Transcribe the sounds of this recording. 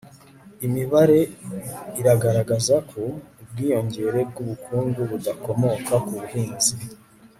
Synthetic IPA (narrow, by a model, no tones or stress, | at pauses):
imiβaɾe̞ | iɾaɡaɾaɡazakʰo̞ub̚ɡiːjo̞ɲɟe̞ɾe̞b̚ɡuβukʰuːŋɡuβudako̞mo̞kakuβuhiːnzi